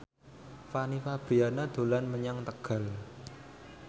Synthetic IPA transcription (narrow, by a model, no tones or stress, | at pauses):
fanifab̥ɾianad̪̥o̤lanməɲaŋt̪əɡ̥a̤l